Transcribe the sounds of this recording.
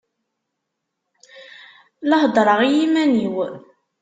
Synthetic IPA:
lɑhd̪ˤɾˤɑʁijimæniw

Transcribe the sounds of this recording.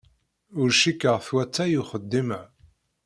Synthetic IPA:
ʊɾʃikːəʁθwæt͡sːæjuχəd̪ːimə

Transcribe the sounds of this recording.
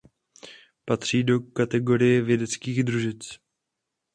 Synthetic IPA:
pat̪r̝̥iːdo̞kat̪ɛɡo̞ɾɪjɛvjɛdɛt͡skiːɣd̪ɾuʒɪt͡s

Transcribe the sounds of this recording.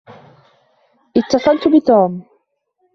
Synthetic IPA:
ʔɪt̪ːɑsˤɑlt̪ʊbɪt̪uːm

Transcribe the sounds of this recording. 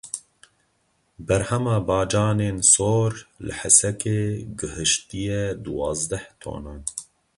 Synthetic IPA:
bɛɾhɛmɑːbɑːd͡ʒɑːneːnsoːɾlɨ̰ħɛsɛkʰeːɡɨhɨʃt̪ijɛd̪uwɑːzd̪ɛht̪ʰo̰ːnɑːn

